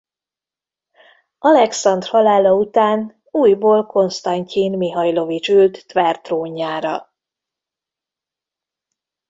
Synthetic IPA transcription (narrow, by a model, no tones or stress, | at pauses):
ɒlɛksɒnd̪rhɒlaːlɒut̪aːn | uːjboːlko̞nst̪ɒɲcinmiɦɒjlo̞vit͡ʃylt̪ːʋɛrt̪roːɲːaːɾɒ̰